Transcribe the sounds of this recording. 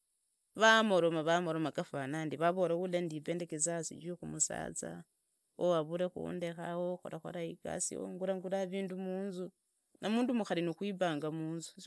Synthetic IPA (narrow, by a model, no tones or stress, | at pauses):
βamoɾomaβamoɾomakafanandiβaβoɾewulendiveːndekezasḭd͡ʒixumusa̰ːt͡sa̰ | owaβuɾexṵndexawoxo̰ɾaxo̰ɾaika̰sḭo̰ŋɡuɾaŋɡulaβiːndumuːnzu | nʔamuːndumuxalinuxwiβaːŋɡamuːnzu